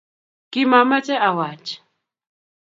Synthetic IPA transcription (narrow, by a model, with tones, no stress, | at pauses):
kʼima˨ma˦t͡ʃʼɛ˦ʔa˨wa˨t͡ʃʼɛ̥